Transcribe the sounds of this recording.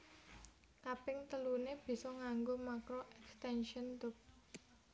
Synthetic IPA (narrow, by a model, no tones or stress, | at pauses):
kapɪŋt̪əluneb̥i̤sɔŋaŋɡomakɾoʔɛkst̪ɛnʃənt̪ʊp̚